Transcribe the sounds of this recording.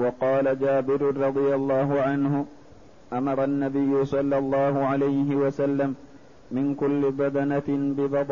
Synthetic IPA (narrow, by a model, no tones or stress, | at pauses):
wɑqɑːlad͡ʒaːbɪɾɾˤɑd̪ˤɨjalˤːɑːɦʊʕanhʊ | ʔamɑɾˤɑnːabɪjːʊsˤɑlːɑlˤːɑːhʊʕalajɦɪwasalːamː | ɪnkʊlːɪbɑd̪anabɪðɑd̪ˤ